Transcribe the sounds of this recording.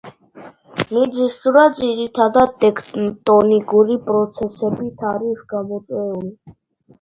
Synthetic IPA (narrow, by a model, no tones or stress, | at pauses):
mid̪zisuɾazʼiɾit̪ʰad̪ad̪̚t̪ɛkʰt̪ʼɔnikʼuɾipʼɾɔt̪sʰɛsɛbit̪ʰaɾivɡamɔt̪ʼɛuli